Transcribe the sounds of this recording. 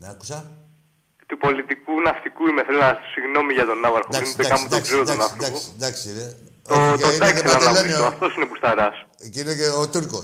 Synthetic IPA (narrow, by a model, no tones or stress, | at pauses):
nɐku̥sɐ | t̪upo̞lit̪ikunɐft̪ikuimeθelunɐssiɣno̞miʝɐt̪o̞nɐvɐɾxod̪ɐsid̪ekɐmud̪ɐkseɾod̪ɐknɐft̪iɐkusi̥d̪ɐksiine | oçikeeid̪ekeɐɐelenioaft̪osinepust̪ɐɾɐs | ceinekeot̪uɾko